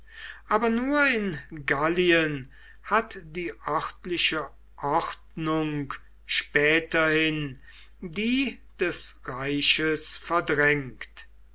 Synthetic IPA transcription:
ʔaːbɐnuːɐɪnɡaliən | hatdiːʔɔχtlɪʃə | ʔɔχtnʊŋk | ʃpɛːtɐhɪn | diːd̥ɛsʁaɪʃəsfɛɐdʁɛŋkt

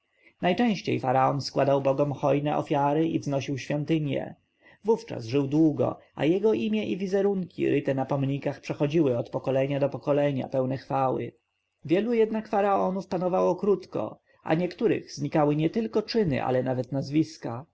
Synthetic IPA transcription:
najt͡ʂɛ̃w̃ɕt͡ɕḛjfaɾaɔnskwad̪awbɔɡɔmxɔjnɛʔɔ̰fʲjaɾɘʔivznɔɕiwɕfʲjɔnt̪ɘɲjɛ̰ | vuft͡ʂa̰zʐɘwd̪wuɡɔ̰a̰jɛɡɔʔimʲjɛʔivʲizɛɾuŋkʲḭɾʔɘt̪ɛnapɔmɲikaxpʂɛxɔd͡ʑiwɘɔt̪pɔkɔlɛɲad̪ɔpɔkɔlɛɲa̰pɛwnɛxfawɘ̰ | vʲjɛlujɛd̪nakfaɾaɔnufpanɔvawɔkɾut̪kɔ̰ | ʔa̰ɲɛkt̪uɾɘ̰ɣzɲikawɘɲɛt̪ɘlkɔt͡ʂɘnɘ̰ʔa̰lɛnavɛt̪nazvʲiska

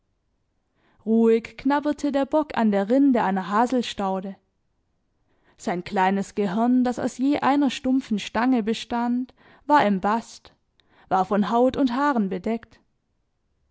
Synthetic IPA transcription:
ʁuːɪçknabɐtʰədeːɐbɔkʰa̰ndeːɐʁɪndəʔaɪnɐɦaːzl̩ʃtaʊdə | z̥aɪnkl̥aɪnəsɡ̥əɦɪɐndasa̰ʊsjeːʔaɪnɐʃtʊmp͡fn̩ʃtaŋəbəʃtant | v̥aːɐɪmbast | v̥aːɐfɔnɦaʊtʊnthaːʁənbədɛkt

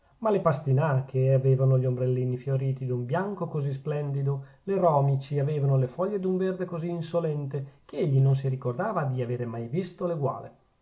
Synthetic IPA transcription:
malepast̪inakʰeaveːvanoʎombɾelːiːnifjoɾiːt̪id̪umbjaŋkokozis̬plɛnd̪id̪o | lerɔːmit͡ʃiaveːvanolefɔʎːed̪uɱverd̪ekoziːnsolɛnt̪ek̟eeʎːinons̬iɾikord̪aːvad̪iaveːɾemajvist̪oleɡwa̰ːle

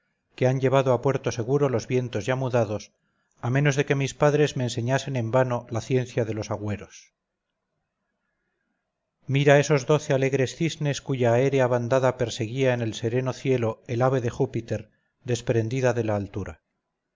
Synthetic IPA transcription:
keaɲɟe̞β̞aðoapwe̞ɾt̪ose̞ɣ̞uɾo̞lo̞zβje̞nt̪o̞zʝamuðaðo̞s | amẽ̞no̞zðe̞ke̞mispaðɾe̞zmeːnse̞ɲase̞ne̞mbanolaθje̞n̟θjaðe̞lo̞saɣwe̞ɾo̞s | miɾaeso̞zðo̞θe̞ale̞ɣɾe̞sθizne̞skuʝae̞ɾeaβand̪aðape̞ɾse̞ɣiaene̞lse̞ɾe̞no̞θje̞lo̞elaβ̞e̞ðe̞xupit̪e̞ɾ | ðe̞spɾe̞nd̪iðaðe̞laːlt̪uɾa

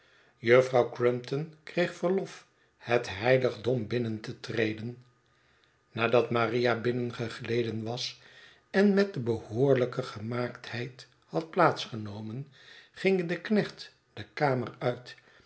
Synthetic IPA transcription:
jɵfrɑwkrɪmptɔnkrejχfəɹlɔf | hətɦɛjləχdɔmbɪnəntətrejdən | naːdɑtmarijabɪnənχəχlejdənʋɑs | ɛnmɛt̚dəbəhʊːɹləkəχəmaːkthɛjt | hɑt̚plaːtsχənowmən | χɪŋdəknɛχt | d̥əkaːmərœɥt

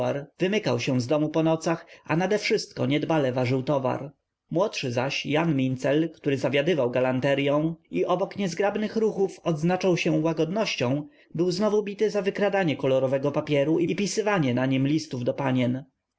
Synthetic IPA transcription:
aɾvɘmɘkawɕɛ̃zd̪ɔmupɔnɔt̪saxanad̪ɛfʂɘst̪̚kɔɲɛd̪balɛvaʐɘwt̪ɔva̰ɾ | mwɔtʂɘzaɕjanmʲint̪sɛlkt̪uɾɘzavʲjad̪ɘvawɡalant̪ɛɾjɔ̃w̃iʔɔbɔkɲɛzɡɾabnɘxɾuxufɔd̪znat͡ʂawɕɛwaɡɔd̪nɔɕt͡ɕɔ̃w̃ | bɘwznɔvubʲit̪ɘzavɘkɾad̪aɲɛkɔlɔɾɔvɛɡɔpapʲjɛɾuʔiipʲisɘvaɲɛnaɲimlʲist̪uvd̪ɔpaɲɛn

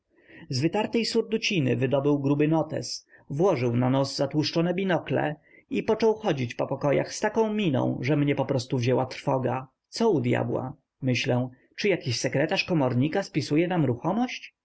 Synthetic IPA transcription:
zvɘt̪aɾt̪ɛjsuɾd̪ut͡ɕinɘ̰vɘd̪ɔbɘwɡɾubɘnɔt̪ɛ̰s | vwɔʐɘwnanɔsːat̪wuʂt͡ʂɔnɛbʲinɔklɛ̰ | ipɔt͡ʂɔwxɔd͡ʑit͡ɕpɔpɔkɔja̰xst̪akɔ̃w̃mʲinɔ̰̃w̃ʐɛmɲɛpɔpɾɔst̪uvʑɛwat̪ɾfɔɡa | t̪sɔud̪ʲja̰bwa̰ | mɘɕlɛ̃ | t͡ʂɘjakʲiɕsɛkɾɛt̪aʂkɔmɔɾɲikaspʲisujɛnamɾuxɔmɔɕt͡ɕ

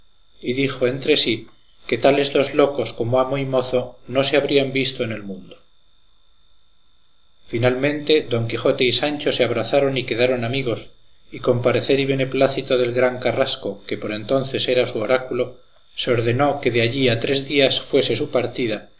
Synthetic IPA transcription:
iðixo̞e̞nt̪ɾe̞si | ke̞t̪ale̞zðo̞zlo̞ko̞sko̞moamo̞imo̞θo̞no̞se̞aβ̞ɾiambist̪o̞ene̞lmũnd̪o | finalmẽ̞nt̪e̞ðo̞ŋkixo̞t̪eisant͡ʃo̞se̞aβ̞ɾaθaɾo̞nike̞ðaɾo̞namiɣ̞o̞s | iko̞mpaɾe̞θe̞ɾiβ̞e̞ne̞plaθit̪o̞ðe̞lɣɾaŋkarasko̞ke̞po̞ɾe̞nt̪o̞nθe̞se̞ɾasuo̞ɾakulo̞ | seo̞ɾðe̞no̞ke̞ðeaʎiat̪ɾe̞zðiasfwe̞se̞supaɾt̪iða

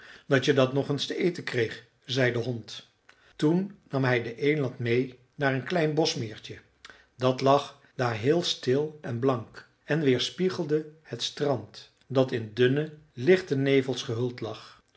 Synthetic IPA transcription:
d̥ɑtədɑtnɔχənstəʔejtəkrejχ | zɛjdəɦɔnt | tunːɑmɦɛjdəʔejlɑntmej | naːɹənklɛjnbɔsmɪːɹt͡ʃə | dɑtlɑχ | d̥aːɹɦɪːlˠstɪlˠɛnblɑŋk | ɛnʋɪːɹspiχəlˠdəhətstrɑnt | dɑtɪndɵnəlɪχtənejvəlˠsχəɦɵlˠtlɑχ

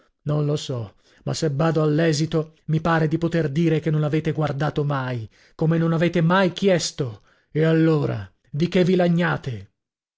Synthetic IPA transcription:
nonlosɔ | ma̰sːebːaːd̪oalːɛːzit̪omipaːɾed̪ipot̪erd̪iːɾekenːonaveːt̪eɡward̪aːt̪omaj | komenːonaveːt̪emajkjɛst̪o | ealːoːɾa̰ | d̪ik̟evːilaɲːaːt̪e

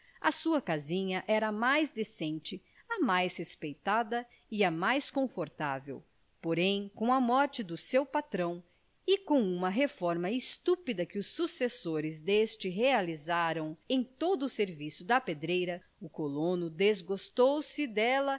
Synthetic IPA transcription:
ɐsuɐkazĩɲɐʔɛɾɐmajzd̪esẽnt͡ʃɪ | ɐmajshespejt̪ad̪ɐ | ɪɐmajskõfoɾt̪a̰vḛw | poɾẽj̃kõɐmɔɾt͡ʃɪd̪ʊsewpat̪ɾɐ̃w̃ | ɪkõw̃ũmɐɦefɔɾmɐɪst̪upid̪ɐkɪʊsːusesoɾɪzd̪est͡ʃɪɦealizaɾɐ̃w̃ẽj̃t̪od̪ʊːseɾvisʊd̪ɐped̪ɾejɾɐ | ʊkolõnʊd̪ezɡost̪owsɪd̪ɛlɐ

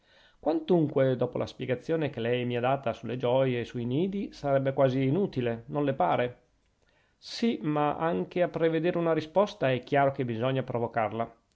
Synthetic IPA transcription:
kwant̪uŋkwed̪ɔːpolʔa̰spjeɡat̪sːjoːnekelɛjmiad̪aːt̪asuled͡ʒɔjeːsuiniːd̪isaɾɛbːekwaːziːnut̪ilenõnlepaːɾe | simaʔaŋk̟eapɾeved̪eːɾeunaɾispɔst̪aɛkːjaːɾok̟ebizɔɲːapɾovokarla

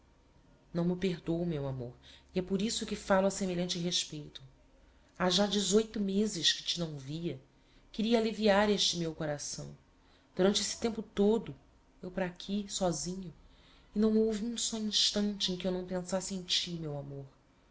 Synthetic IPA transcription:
nɐ̃w̃mɪpeɦd̪owmewamoɾiɛpoɾisʊkɪfalʊɐsemeʎɐ̃nt͡ʃɪɦeʃpejt̪ʊ̥ | aʒad͡ʒɪzojt̪ʊmezɪʃkɪ̥t͡ʃɪnɐ̃w̃viɐ | kɪɾiɐːliviaɾeʃt͡ʃɪmewkoɾasɐ̰̃w̃ | d̪̥uɾɐ̃nt͡ʃɪesɪ̥t̪ẽmpʊt̪od̪ʊ | ewpɾaːkʲʰisɔzĩɲʊ | ɪnɐ̃w̃owviũsɔĩʃt̪ɐ̃nt͡ʃɪẽj̃kɪewnɐ̃w̃pẽsasɪẽj̃t͡ʃiumewamoɾ

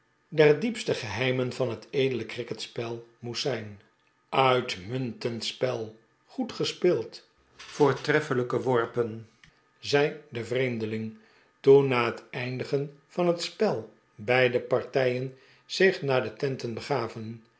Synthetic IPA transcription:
dɛrdipstəχəɦɛjmənvɑnɦətʰejdələkrɪkətspɛlˠmutsɛjn | œɥtmɵntəntspɛlˠ | χutχəspɪːlˠt | foːɹtrɛfələkəʋɔɹpən | zɛjdəvrejmdəlɪŋ | tunːaːɦətɛjndəχənv̥ɑnɦətspɛlˠ | bɛjdəpɑɹtɛjən | z̥ɪχnaːdətɛntənbəχaːvən

